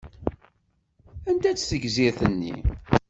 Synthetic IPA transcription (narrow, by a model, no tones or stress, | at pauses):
ænt̪æt͡sːθəɡziɾθənːḭ